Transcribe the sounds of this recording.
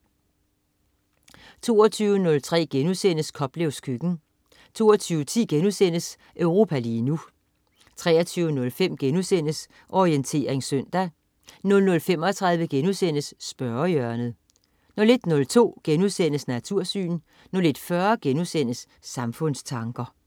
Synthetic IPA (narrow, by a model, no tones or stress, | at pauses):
t͡sʰo̝̰ːɐt͡sʰyːʊənɔ̽lt͡sʰʁɛ̰ːɡ̥enusen̰əskʰɒ̽b̥leʊskʰyɡ̥n̩ | t͡sʰo̝̰ːɐt͡sʰyːʊət͡sʰḭːɡ̥enusen̰əs | ʔøʊʁo̝ːpʰæliːnu | t͡sʰʁɛ̰ːɐt͡sʰyːʊnɔ̽lfem̰ɡ̥enusen̰əs | ʔɒʁient͡sʰe̝̰ːɐʁeŋsøn̰d̥æ | nɔ̽lnɔ̽lfem̰ɒ̽t͡sʰʁäðˠʋəɡ̥enusen̰əsːb̥ɶɐjœɐnəð̩ˠ | nɒle̝d̥nɔ̽lt͡sʰo̝̰ːɡ̥enuðˠsen̰əsnæt͡sʰuɐ̰sy̰ːn | nɒle̝d̥fɶɐɡ̥enusen̰əsː | ɑ̈mfɔ̽n̰st͡sʰɑ̈ŋɡ̥ɐ